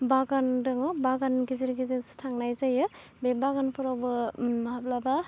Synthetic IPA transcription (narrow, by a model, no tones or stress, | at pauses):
baɡandɯŋɯbaɡanɡiziɾɡizinsɯ̥tʰaŋnajzajɯ | bebaɡanpʰɯɾawbɯmɦap̚laba